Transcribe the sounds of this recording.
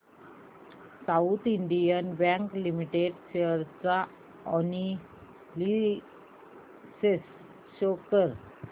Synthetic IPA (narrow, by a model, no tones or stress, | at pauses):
saut̪ʰiɳɖijənbɛ̃ŋklimiʈeɖɕeəɾt͡sa | ɔni | li | ses | ɕokəɾ